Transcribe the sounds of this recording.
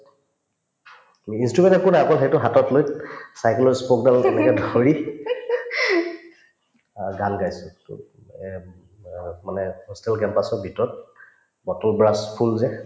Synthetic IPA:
amiːnstɹumɛ̃ntɔkunaakɔlxejtʊɦatɔtlojsajkelɔspok̚dalɛnɛkɛdʱoɹi | ɡanɡajsʊ̰ | manɛhɔstɛlkɛmpasɔbʱitɔt̚ | bɔtɔlbɹaspʰulzɛ

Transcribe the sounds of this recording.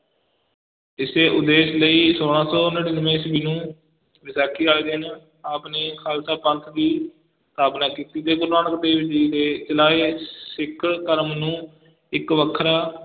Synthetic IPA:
ɪseːʔʊd̪eːsləiːsoːɽ̃ãːsɔːnəɽiːnəʋẽːsbiːnũː | ʋɪsaːkʰiːaːeːd̪ɪn | aːpneːkʰaːlsaːpə̃nt̪ʰd̪iː | t̪aːpnaːkiːt̪iːd̪eːɡʊɾnaːnəkd̪eːʋɪd͡ʒiːt̪eːt͡ʃəlaːeːsɪkʰɽkəɾmnũː | ɪkʋəkʰːɾaː

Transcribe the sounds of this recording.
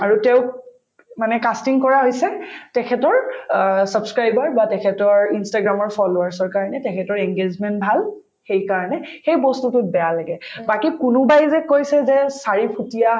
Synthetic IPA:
aɹutɛʊk | manɛkastiŋkɔɹaɦojsɛtɛkʰɛtɔɹsabskɹajbaɹbatɛkʰɛtɔɹinstaɡɹamɔɹpʰɔloaɹsɔɹkaɹɔnɛtɛkʰɛtɔɹɛŋɡed͡ʒmɛntbʱal | xejkaɹɔnɛxejbɔstutʊt̚bɛjalaɡɛbakikʊnʊbajzɛkojsɛzɛsaɹipʰutija

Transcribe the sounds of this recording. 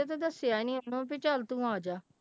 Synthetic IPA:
et̪ad̪əsːɪjaːnĩːnõːpɪt͡ʃəlt̪ũːaːd͡ʒaː

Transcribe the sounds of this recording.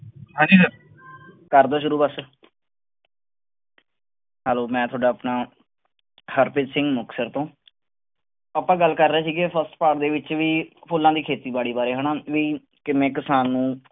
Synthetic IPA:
ɦãːd͡ʒiːsəɾ | kəɾd̪ãːʃʊɾuːbəs | ɦɛːloːmɛ̃ːt̪ʰoaːɖaːəpnaː | həɾpɪd͡ʒsɪ̃ŋɡmʊksəɾt̪õː | aːpãːɡəlːkəɾːaːsiːɡeːpʰəsʈpaːʈd̪eːʋɪt͡ʃʋiːpʰʊlːãːd̪iːkʰeːt̪iːbaːɽiːbaːɾeːɦəɳaːʋiː | kɪmẽːkɪsaːnːũː

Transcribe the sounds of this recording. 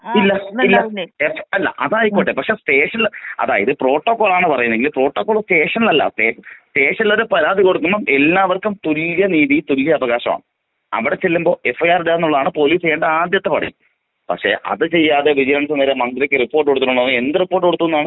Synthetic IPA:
ilːɐilːɐefɐlːɐ̰ʔɐðaːjikːoʈːepɐkʂe̞sʈe̞ːʂɐnilɐ̰ðaːjiðɨpro̞ːʈːokːoːɭaːɳɨpɐrɐjunːeŋɡilpro̞ːʈːoːkːoːɭsʈe̞ːʂɐnilɐlːa̰sʈe̞ːʂɐmsʈeːʂɐniloɾupɐɾaːd̪ʱiko̞ɽukːumːomʔelːaːʋɐrkːumt̪uljɐniːðijt̪uljɐɐːʋɐɣaːɕɐma̰ːɳɨ | ɐ̰ʋiɽe̞t͡ɕelːumbo̞ːʔe̞fːɐjaːriɽeenːuɭːɐðaːɳɨpo̞liːsɐjːeːɳɖɨaːd̪jɐt̪ːepɐɽɐ̰jum | pɐ̰kʂe̞̰ʔɐ̰ðɨt͡ɕe̞jːaːðe̞ʋid͡ʑɐɾɐɳɐt̪ːɐneːɾemɐnd̪ɾɐkʲːɨripːorʈːoɽut̪ːinːuɳːɐʋend̪ɨripːorʈːoɽut̪ːunːaːɳɨ

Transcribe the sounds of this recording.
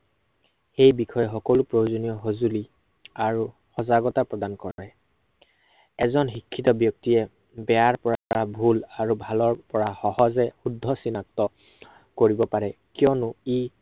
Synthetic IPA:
xejbixʰɔjɛxɔkɔlʊpɹojozonijɔɦozuli | aɹu | xɔzaɡɔtapɹɔdankɔɛ | ɛzɔnxikʰːitɔbjɔk̚tijɛ | bɛaɹpɔɹaabʱulaɹubʱalɔɹpɔɹaxɔhɔzɛxudʱːɔsinak̚tɔ | koɹibɔpaɹɛkijɔnʊi

